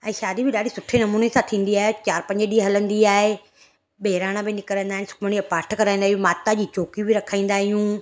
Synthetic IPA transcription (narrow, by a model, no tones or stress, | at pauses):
ɛ̃ːʃaːd̪ibɪɗaːɽisʊʈʰenɐmuːnesãt̪ʰĩːn̆d̪iaːɦet͡ɕaːɾpɐ̃ɲd͡ʑəɗiːɦɐlə̃nd̪iaːɦe | ɓeːɪɾaːɽ̃ãbɪnɪkəɾə̃nd̪aːɪnɪsʊ̥kʰməɽ̃iɐpaːɾʈʰkɐɾaːĩːnd̪aɦijũmaːt̪ad͡ʑiːt͡ɕoːkibɪɾɐkʰaːĩːnd̪aːɦijũ